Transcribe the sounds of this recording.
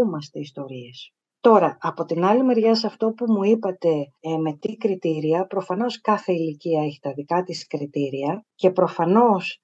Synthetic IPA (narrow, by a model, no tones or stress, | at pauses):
umɐst̪e̞ist̪o̞ɾie̞s | t̪o̞ɾɐʔɐpo̞t̪inɐlime̞ɾʝɐsɐft̪o̞pumuipɐt̪e̞me̞t̪ikɾit̪iɾiɐpɾo̞fɐno̞skɐθe̞iliciɐeçi̥t̪ɐðikɐt̪iskɾit̪iɾiɐce̞pɾo̞fɐno̞s